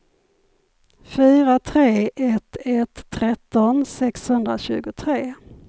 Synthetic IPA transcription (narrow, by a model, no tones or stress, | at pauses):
fyːɾat̪ʰɾeːʔɛt̪ʰɛt̪ʰːɾɛt̪ːɔnsɛkshɵnd̪ɾa̰ɕʉ̟ːɡʊt̪ʰɾeː